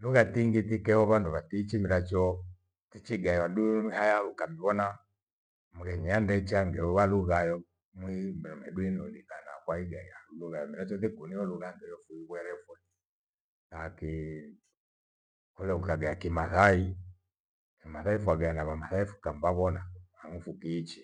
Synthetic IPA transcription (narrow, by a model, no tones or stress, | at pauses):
luɣatiŋɡitikɛhɔβanduβatit͡ʃimiɾat͡ʃɔ | tit͡ʃiɡaiwaɗuihajaukamiβɔna | muɣɛɲiandɛt͡ʃaŋɡɛuwaluɣajɔ | mwimɔmɛɗuinɔlikanakwaiɡaiauluɣajɔmiɾat͡ʃɔθikuniɔluɣaŋɡɛjɔfuiɣwɛɾɛfu | laki | kulɛukaɡajakimaθai | kimaθaifuaɡaanaβamaθaifu̥kambaβɔnaamufukiːt͡ʃi̥